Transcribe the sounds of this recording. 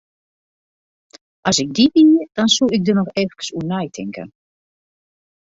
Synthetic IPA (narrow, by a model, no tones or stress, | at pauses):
ʔɑsɪɡ̚dibiːd̥ɔnsuɪɡ̚dənɔxɛfkə̥sunɛjtʰɪ̰ŋkə̰n